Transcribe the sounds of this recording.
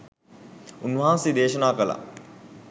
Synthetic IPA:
unːʋɦaːsid̪eːʃənaːkəla̰

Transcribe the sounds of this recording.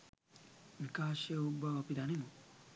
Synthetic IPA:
ʋikaːʃjɐubʱɐːpid̪animu

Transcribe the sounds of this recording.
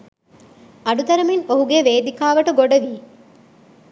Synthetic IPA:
ɐɖut̪ɐɾɐmiŋoɦuɡeʋeːd̪ikaːʋɐʈɐɡoɖɐʋiː

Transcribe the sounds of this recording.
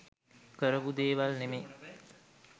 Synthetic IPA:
kəɾəʋud̪eːʋalneme

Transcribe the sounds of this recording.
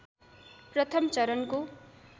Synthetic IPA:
prʌt̪ʰʌmt͡sʌɾʌnko

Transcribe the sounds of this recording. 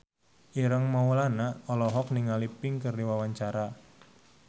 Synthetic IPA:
ʔiɾəŋmaulanaɔlɔɦɔk̚niŋalipɪŋkərdiwawaɲt͡ʃaɾa

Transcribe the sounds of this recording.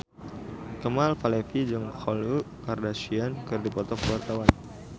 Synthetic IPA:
kəmalfalɛfid͡ʒəŋxɔlukardasiankɨrdipɔt̪ɔkəwart̪awan

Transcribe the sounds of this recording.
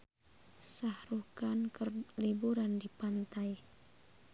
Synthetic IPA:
sahɾukankərlibuɾandipant̪aj

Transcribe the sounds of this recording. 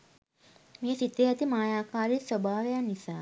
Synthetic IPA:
meːsit̪eat̪imaːjaːkaːɾisʋobʱaːʋejanisaː

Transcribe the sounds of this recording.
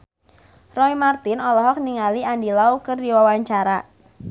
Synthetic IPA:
rɔimart̪ɪnɔlɔɦɔk̚niŋaliandilaukərdiwawaɲt͡ʃaɾa

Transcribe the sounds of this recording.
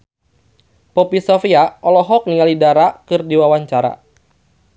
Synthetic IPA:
pɔpisɔfiaɔlɔɦɔk̚niŋalidaɾakɨrdiwawaɲt͡ʃaɾa̰

